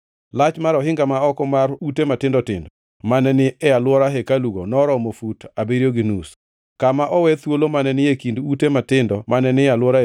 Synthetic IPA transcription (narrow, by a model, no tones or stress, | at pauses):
lat͡ʃmaɾɔɦɪŋɡamaɔkɔmarutematɪndɔtɪ̰ndɔ | manɛnɪɛjalwɔɾaɦekaluɡonɔɾɔmofutabeɾjoɡinus | kamaʔɔwɛt̪wolomanɛnɪekindutematɪndɔmanɛnɪjalwɔɾa